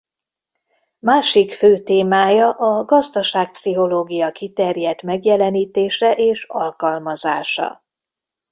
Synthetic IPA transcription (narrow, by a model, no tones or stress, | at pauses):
maːʃikføːt̪eːmaːjɒʔɒɡɒzd̪ɒʃaːk̚psiɦo̞loːɡijɒkit̪ɛrjɛt̪mɛɡjɛlɛniːt̪eːʃɛʔeːʃɒ̰lkɒlmɒzaːʃɒ̰